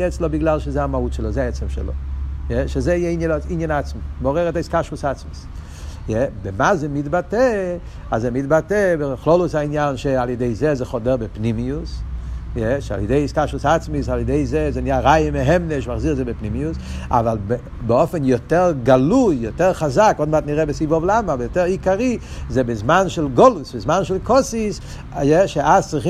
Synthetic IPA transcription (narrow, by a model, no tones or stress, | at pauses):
jɛt͡slˠobɪɡlˠalˠʃezeamahutʃɛlˠozeaɛt͡sɛmʃɛ̰lo̰jɛʃezejɛinjinjanat͡smimɔʁɛʁɛtaiskaʃvʊsat͡smis | jɛbemazemidbatɛ | azemidbatɛbeχlolˠʊshainjanʃealˠjedeɪzezɛχɔdɛʁbɪpnimiusjɛʃea̰lˠjɛdeɪiskaʃlʊsaat͡smis̬aljədeɪzezɛnijaʁajəmeɦɛmneʃmaχziʁzɛbepnimiusa̰valˠb | beɔfɛnjɔtɛʁɡalujjɔtɛʁχazakɔdmatniʁɛbɪsivɔvlˠamabɛjotɛʁikaʁi | zɛbɪzmanʃɛlˠɡɔlʊsbɪzmanʃɛlˠkɔsis | jɛʃeʔazt͡sʁiχ